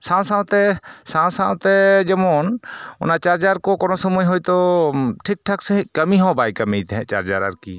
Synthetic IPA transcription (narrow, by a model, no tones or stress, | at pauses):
sãwsãwt̪ɛsãwsãwt̪ɛd͡ʒɐmɔnʊ̰nat͡ʃaɾd͡ʒaɾkɔkɔnɔsɔmujɦojt̪ɔʈʰik̚ʈʰaksɛɦkəmiɦãbajkɐmijt̪ɛɦɛ̃t͡ʃa̰ɾd͡ʒa̰ɾa̰ɾkḭ